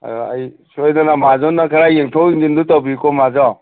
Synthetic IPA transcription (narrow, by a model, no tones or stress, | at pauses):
a̰j | sojnanamazɔnakʰaɾajeŋtʰɔwiŋdindutɔbikɔmazɔ